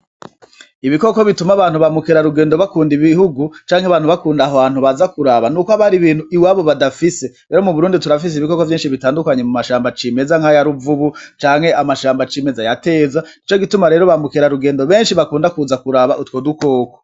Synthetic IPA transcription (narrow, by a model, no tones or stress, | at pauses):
iβiko̞koβitumaβaːn̥huβamukeɾaɾuɡe̞ːndo̞βakuːndiβihuɡut͡ʃaːŋheaβaːn̥uβakuːndaɦoβaːn̥huβazakuɾaβanuːkoaβaɾiβiːn̥huʔiwaːβo̞βadafise̞ɾeːɾomuβuɾuːndituɾafis̬iβiko̞kovjiːnʃiβitaːndukaɲe̞mumaʃaːmbat͡ʃime̞zaŋhajaɾuvuβut͡ʃaːŋhe̞ʔamaʃaːmbat͡ʃime̞zajate̞ːzanit͡ʃo̞ɡitumaɾe̞ːɾo̞βamukeɾaɾuɡeːndo̞βe̞ːnʃiβakuːndakuzakuɾaβaʔutwo̞ːduko̞ːko